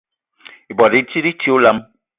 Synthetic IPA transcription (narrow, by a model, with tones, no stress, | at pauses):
i˨bɔ˨di˨˦ti˦ɾi˦tʰi˦o˦la˦m